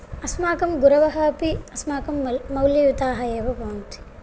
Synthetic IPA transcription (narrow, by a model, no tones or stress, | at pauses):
ɐsmaːkɐmɡuɾɐʋɐɦɐɐpiɐsmaːkɐmːɐwljɐjut̪aːɦɐjeːʋɐboːnt̪i̥